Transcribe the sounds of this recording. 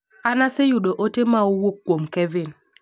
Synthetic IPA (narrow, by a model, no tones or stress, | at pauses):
anasɪjʊɗoʔotemaowokːwomkɛvɪn